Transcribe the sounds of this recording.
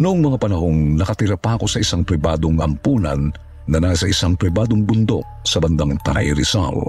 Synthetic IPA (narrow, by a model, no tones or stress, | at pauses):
nʊʔoŋmɐŋapɐnɐho̞ŋnɐkɐt̪ɪɾɐpɐɐko̞sɐʔisaŋpɾɪbaːd̪oŋɐ̰mpuːnɐ̰nː | ɐnasɐʔɪsaŋpɾɪbaːd̪oŋbʊnd̪o̞̰k̚sɐbɐnd̪aŋt̪ɐɾ̰ʔiɾɪsa̰l